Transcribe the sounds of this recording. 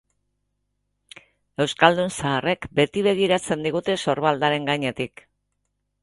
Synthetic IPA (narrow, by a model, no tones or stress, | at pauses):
e̞wskald̪unsaːre̞kbe̞t̪iβe̞ɣ̞iɾat͡se̞nd̪iɣ̞ut̪e̞so̞ɾβald̪aɾe̞ŋɡajɲe̞t̪ik